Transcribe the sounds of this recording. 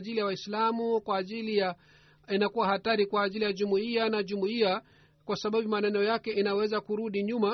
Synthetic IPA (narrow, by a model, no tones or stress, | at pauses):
ʄilijawaislamukwaːʄilija | inakuwahataɾikwaːʄilijaʄumuianaʄumuia | kwasaɓaɓumanɛnɔjakɛinawɛzakuɾuɗiɲuma